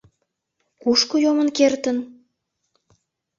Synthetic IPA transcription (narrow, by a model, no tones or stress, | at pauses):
kuʃkojomənkert̪ən